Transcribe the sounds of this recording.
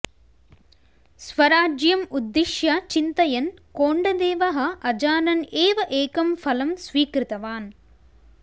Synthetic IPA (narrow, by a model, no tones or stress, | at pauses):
sʋɐɾaːd͡ʒjɐmud̪ːiʃjɐt͡ʃint̪ɐjɐnkoːɳɖɐd̪eːʋɐɦɐ̆ʔɐd͡ʒaːnɐneːʋɐʔeːkɐmfɐlɐmsʋiːkɾɪt̪ɐʋaːn